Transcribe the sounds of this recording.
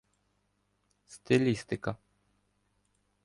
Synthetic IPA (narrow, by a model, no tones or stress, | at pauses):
st̪ɪlʲist̪ɪkɐ